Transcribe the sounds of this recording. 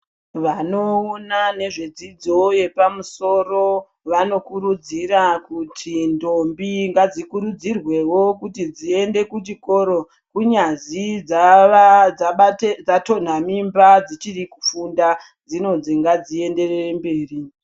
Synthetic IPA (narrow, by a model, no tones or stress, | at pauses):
ʋano̞onane̞ʐe̞d͡zid͡zo̞je̞pamuso̞ro̞ | ʋano̞kuɾud͡ziɾakutʰindombiŋɡad͡zikuɾud͡zirwe̞wo̞kutid͡zie̞nde̞kut͡ʃiko̞ɾo̞ | kuɲazid͡z | ad͡zato̞n̤amimbad͡zit͡ʃiriku̥funda | d͡zino̞d͡ziŋɡad͡zie̞nde̞reembe̞ːri